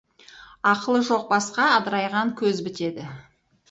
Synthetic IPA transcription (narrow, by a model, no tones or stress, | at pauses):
ɑqəlˠəʒo̞q̚bɑsqɑːd̪əɾɑjʁɑŋkʲʰɵzbɪt̪e̞d̪ɪ